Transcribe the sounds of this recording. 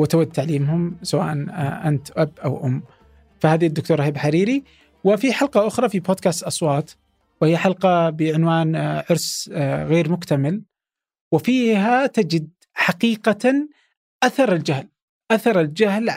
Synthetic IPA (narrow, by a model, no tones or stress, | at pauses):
wɪt̪awad̪̚t̪aʕliːmhʊmsawa̰ːʔanʔant̪ʔabʔawʔʊmː | fahaːðid̪ːʊk̚t̪uːɾˤhiːbħaɾiːɾi | wɪfiħalqɑʔʊxɾˤɑfiboːd̪̚kaːst̪ʔɑsˤwɑːt̪ | whɪjːaħalqɑbɪʕɪnwaːnʕʊɾsɣeːɾmʊkt̪amɪl | wɪfiːɦat̪ad͡ʒɪd̪ | ħaqiːqa | ʔaθɑɾˤɪld͡ʒahl | ʔaθɑɾˤɪld͡ʒahl